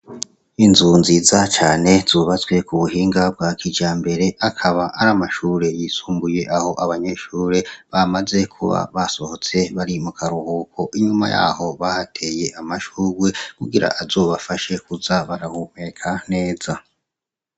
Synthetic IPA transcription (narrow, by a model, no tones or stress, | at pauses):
inzunziːzat͡ʃaːne̞z̥uβat͡swe̞kuβuɦiːŋɡab̚ɡwaːkʰid͡ʒaːmbe̞ɾe̞ʔakʰaβaʔaɾamaʃuːɾe̞jiːsuːmbuje̞ʔaho̞ʔaβaɲe̞ʃuːɾe̞βamaze̞kʰṵβa̰βaso̞ho̞t͡se̞βaɾimukʰaɾuhuːkʰo̞ʔiɲuma̰ja̰ho̞βahatʰe̞je̞ʔamaʃuːɡwekuɡiɾa̰ʔazo̞βafaʃe̞kuzaβaɾahumekʰane̞ːz̥a